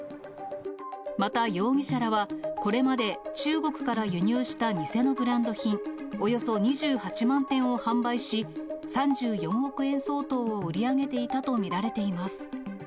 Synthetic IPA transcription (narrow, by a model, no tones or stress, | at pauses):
mat̪ajo̞ːɡʲiɕaɾaβako̞ɾe̞mad̪e̞t͡ɕɨːɡo̞kɯ̟̥kaɾajɯ̟ɲ̟ɨːɕi̥t̪aɲise̞no̞bɯ̟ɾãnd̪o̞çĩŋo̞jo̞so̞ɲ̟iʑɨːhat͡ɕimãnt̪ẽ̞ɰ̃o̞hãmbaiɕisãɲ̟d͡ʑɨːjõ̞ɰ̃o̞kɯ̟ẽ̞ɰ̃so̞ːt̪o̞ːoɯ̟ɾʲiaɡe̞t̪e̞it̪at̪o̞mʲiɾaɾe̞t̪e̞imasɨ̥